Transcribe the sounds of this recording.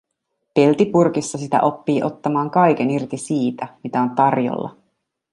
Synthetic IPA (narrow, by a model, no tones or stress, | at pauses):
pe̞lt̪ipurkisːɑsit̪æ̰ʔo̞pːiːʔo̞t̪ːɑmɑːŋkɑjk̟e̞nirt̪isiːt̪æmit̪æo̞nt̪ɑrjo̰lːɑ̰